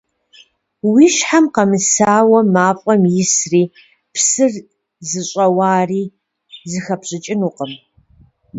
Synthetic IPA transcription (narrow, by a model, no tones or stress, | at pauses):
wiːʃħamqɐmɨsaːwɐmaːpʼɐmjɪsriː | pʰsɨr | zɨɕʼɐwaːriː | zɨxɐpɕʼɪt͡ʃʼɪnuːqəm